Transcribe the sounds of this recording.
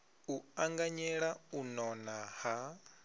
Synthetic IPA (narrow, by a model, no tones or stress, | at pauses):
uaŋɡaɲɛɺaunɔnaha